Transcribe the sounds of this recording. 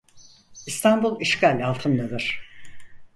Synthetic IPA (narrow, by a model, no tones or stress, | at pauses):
ist̪ʰanbulˠiʃkalʲalˠt̪ʰɯnːed̪ɯɾ̥